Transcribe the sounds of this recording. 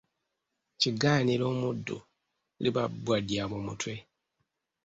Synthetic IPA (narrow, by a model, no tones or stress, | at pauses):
ciɡaːniɾo̞ːmudːṵ | liβabwadjamomutwe̞